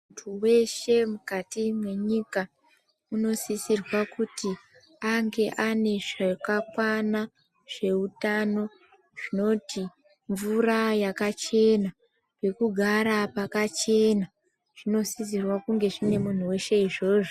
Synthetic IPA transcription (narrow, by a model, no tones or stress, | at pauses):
nʰuwe̞ʃe̞mukatimwe̞ɲika | uno̞sisirwakuti | aŋɡe̞ʔane̞ʐakakwana | ʐ̥e̞utano̞ | ʐ̥ino̞ti | ɱvurajakat͡ʃe̞na | pe̞kuɡʱaɾapakat͡ʃe̞na | ʐ̥ino̞sis̬irwakuŋɡe̞ʐine̞mun̤uwe̞ʃe̞iʐo̞ːʐo